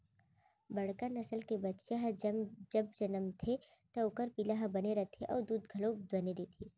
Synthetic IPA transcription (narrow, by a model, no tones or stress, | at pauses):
bɐɽ̤kanɐsəlkebɐt̪ːʃaɦd͡ʒɐb̚d͡ʒɐnəmt̪ʰe | t̪ɐʊkəɾpilaɦbɐneɾɐt̪ʰeʔɔ̰ːɾd̪uːd̪ɡʱɐlõd̪ɐned̪eːt̪ʰiː